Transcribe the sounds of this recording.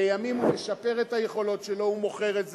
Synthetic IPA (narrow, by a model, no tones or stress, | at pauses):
ejamimumeʃape̞ʁethajeχo̞lo̞tʃelo̞humo̞χe̞ʁetz